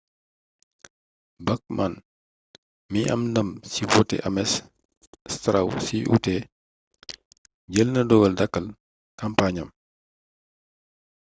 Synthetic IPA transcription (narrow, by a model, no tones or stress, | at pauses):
bɐk̚mʔan | miʔɐ̰mndɐmsivɔtːɛ̰ʔɐmɛs | stɾɐ̰wsiʔṵtɛ | ɟəlnədɔɡɐldɐkːɐl | kɐmpaːɲɐm